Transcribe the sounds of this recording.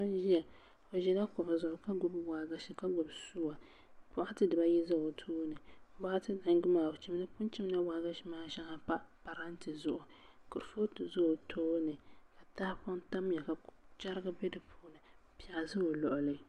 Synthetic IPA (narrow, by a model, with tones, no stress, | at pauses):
a˦n˦ʒi˦ja˨ | o˨ʒɛ˨la˦kɔ˨ba˨zʊ˨ʔʊ˨ka˦ɡʊ˦bwa˨ɡa˦ʃi˨ka˦ɡʊ˨bsu˦wa˨ | pʊ˦ʔa˦tɨ˦dɨ˨ba˦ji˦za˦o˨tʰoː˦nɨ˨˦ba˦ʔa˦tɨ˦na˨ŋ˦ɡʊ˦maː˨t͡ʃi˦m˦nɨ˦pʊ˦nt͡ʃi˦m˦na˦wa˨ɡa˦ʃi˦maː˦ʃa˦ŋa˦pa˦pa˨ɾa˦n˦tɨ˨zʊ˨ʔʊ˨kʊ˨ɾfo˦tɨ˨zo˦˨tʰoː˦nɨ˨ka˨ta˦hpɔ˦n˦ta˦m˦ja˨ka˨t͡ʃa˦ɾɨ˦ɡɨ˦bɛ˦dɨ˨pʰoː˦˨nɨ˨˦ | pi˦a˨ʔa˨zɨ˦o˨lɔ˨ʔʊ˨lɨ˦